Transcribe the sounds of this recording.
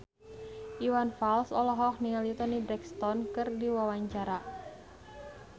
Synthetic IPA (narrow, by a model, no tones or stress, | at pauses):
ʔiwanfalsɔlɔɦɔkniŋalit̪ɔnibɾɛkst̪ɔnkɨrdiwawaɲt͡ʃaɾa